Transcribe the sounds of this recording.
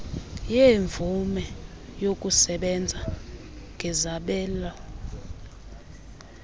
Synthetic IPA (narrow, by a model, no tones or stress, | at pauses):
jeɱvʱumɛ | jok̬ʼusɛɓɛnd͡zʱa | ŋɡʱɛzaɓɛːla